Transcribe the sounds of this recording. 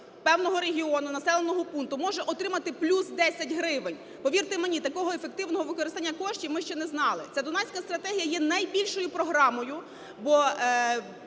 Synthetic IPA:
pɛwnɔɦɔɾeɦʲiɔnʊnɐsɛlˠenɔɦɔpunt̪ʊmɔʒɛʔɔt̪ɾɪmɐt̪ɪplʲusd̪ɛsʲɐtʲɦɾɪʋenʲ | pɔʋʲirt̪ɪmenʲit̪ɐkɔɦɔefe̞k̚t̪ɪwnɔɦɔʋɪkɔɾɪst̪ɑanʲːɐkɔʃt͡ʃʲimɪʃt͡ʃɛnɛznɑlˠɪ̰t͡sʲɛd̪ʊnɛsʲkɐst̪ɾɐt̪ɛɦʲijɐjɛnɐjbʲilʲʃɔjʊpɾɔɦɾɑmɔjʊ | bɔ

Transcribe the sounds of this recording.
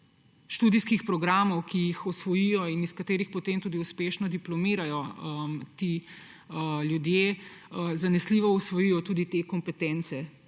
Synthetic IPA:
ʃt̪uːd̪iskixpɾɔɡɾaːmɔwkijixɔsʋɔjijɔiniskɐt̪eːɾixpɔt̪eːmt̪uːd̪iuspeːʃnɔd̪iplɔmiːɾajɔmt̪i | ljud̪je | zanɛsliːʋɔusʋɔjijɔt̪uːd̪it̪ekɔmpɛt̪ɛnt̪sɛ

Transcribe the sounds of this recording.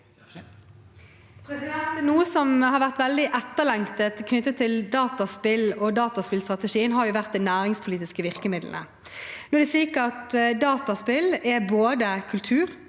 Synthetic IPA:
pʰɾɛsɪd̪ɛnt̪nuːəsɔmhɑɾʋæʁt̪ʋɛld̪ɪʔɛt̪ːəʁlɛŋt̪ət̪kʰnʏt̪ːət̪ʰːɪld̪ɑːt̪ɑspɪlɔd̪ɑːt̪ɑspɪlst̪ʁɑt̪əʂiːənɦɑɾjʊʋæʁt̪̚d̪ɛnæːʁɪŋspʰʊliːt̪ɪskəʋɪʁkəmɪd̪l̰nə̰ | nɔd̪ɛsliːkəɾɑt̪d̪ɑːt̪ɑspɪlɛboːd̪əkʰʉlt̪ʰʉːɾ

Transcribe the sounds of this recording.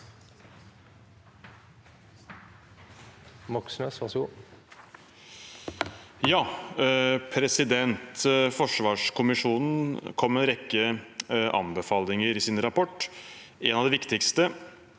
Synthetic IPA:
mɔksnøːsʋɑsu | jɑː | pʰɾɛsɪd̪ɛnt̪fɔʂʋɑːʂkʰʊmɪʂuːnn̩kʰɔmːɛnɾɛkːəʔɑ̰mbəfɑːlɪŋəɾɪsɪnɾɑpɔʈː | ɛnɑʋd̪ɛʋɪkt̪ɪkst̪ə

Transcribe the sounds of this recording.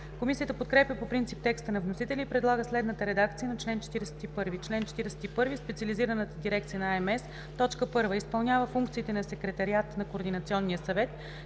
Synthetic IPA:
komisiət̪əpot̪kɾɛpjəpopɾint̪sip̚t̪ɛkst̪ənɐvnosit̪ɛlʲiːpɾɛd̪lˠaɡəslɛd̪nət̪əɾɛd̪akt̪sijənɐt͡ʃlɛnt͡ʃɛ̥t̪iɾɛsɛ̥t̪ipɤɾvit͡ʃlɛnt͡ʃɛ̥t̪iɾɛsɛ̥t̪ipɤɾvispɛt̪siəliziɾənət̪əd̪iɾɛkt̪sijənɐaɛmɛsː | ɔt͡ʃkəpɤɾvəispɐlˠnʲjavəfuŋkt̪siːt̪ɛnɐsɛkɾɛt̪ɐɾiat̪nɐkoːɾd̪inɐt̪siɔnːijəsɐvɛt̪

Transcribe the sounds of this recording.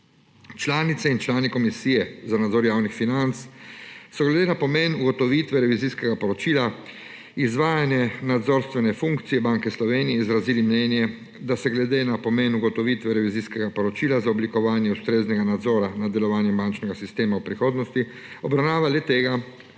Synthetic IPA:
t͡ʃlaːnit̪sɛint͡ʃlaːnikɔmisiːjɛzanad̪zoːɾjaːwnixfinant̪ssɔɡlɛd̪enapɔmenuɡɔt̪ɔʋiːt̪ʋɛɾɛʋiziskɛɡapɔɾɔt͡ʃiːla | izʋaːjanjɛnad̪zoɾst̪ʋɛnɛfuŋkt̪sijɛbaŋkɛslɔʋeːnijɛizɾaziːlimnɛːnjɛ | d̪asɛɡlɛd̪eːnapɔmeːnuɡɔt̪ɔʋit̪ʋɛɾɛʋiziːskɛɡapɔɾɔt͡ʃiːlazaɔblikɔʋaːnjɛust̪ɾeːznɛɡanad̪zɔːɾanad̪ɛlɔʋaːnjɛbant͡ʃnɛɡasist̪eːmawpɾixoːd̪nɔst̪i | ɔbɾawnaːʋalɛt̪eːɡa

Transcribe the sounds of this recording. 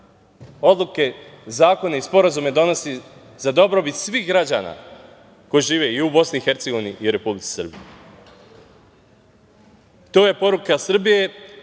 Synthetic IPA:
o̞d̪lˠuke̞zaːko̞neispo̞ɾazumed̪o̞no̞si | zad̪o̞bɾo̞bit̪sʋiːxɡɾad͡ʑa̰ːna̰ | ko̞jiʒiːʋe̞iubo̞sniixe̞ɾt̪seɡoiniʔiuɾe̞publitsi̥sr̩bḭje | t̪o̞ːje̞po̞ɾukasr̩bije̞

